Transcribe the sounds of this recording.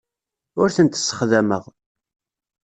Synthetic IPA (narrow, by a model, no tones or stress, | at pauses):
ʊɾθənt̪ə̥sːə̥χðæməʁ